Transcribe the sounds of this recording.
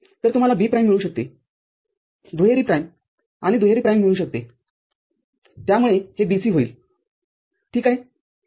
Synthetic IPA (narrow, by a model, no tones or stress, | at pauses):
t̪əɾt̪um̤alabiːpɾajmːiɭuːɕək̚t̪e | d̪ʱuɦeɾiːpɾajm | añid̪ʱujeɾiːpɾajmːiɭuːɕək̚t̪ḛ | t̪jamuɭehebisiːɦoiːl | ʈʰiːkaɦe